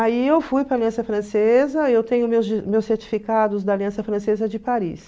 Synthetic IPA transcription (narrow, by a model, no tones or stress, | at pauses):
aiewfujpɾɐaliɐ̃sɐfɾɐ̃sezɐewt̪ẽɲʊmemewseɾt͡ʃi̥fikad̪ʊzd̪ɐaːliɐ̃sɐfɾɐ̃sezɐd͡ʒɪpaɾḭs